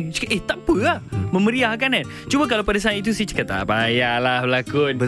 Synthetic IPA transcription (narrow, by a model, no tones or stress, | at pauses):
t͡ʃʔeht̪apəamə̃məɾiahkanan | t͡ʃubak̬alapadas̬ait̪̬usiht͡ʃə̥kət̪a̰bajalahbəlakut̪̚bə